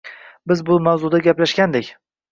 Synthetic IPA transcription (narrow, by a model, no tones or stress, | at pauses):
bɪzbʊmawzʊd̪aɡʲaplaʃɡʲand̪ekʲ